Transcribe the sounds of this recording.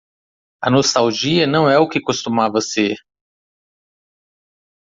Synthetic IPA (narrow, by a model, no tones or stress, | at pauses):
ɐnost̪awʒiɐnɐ̃w̃ɛʊkɪkost̪umavɐseɾ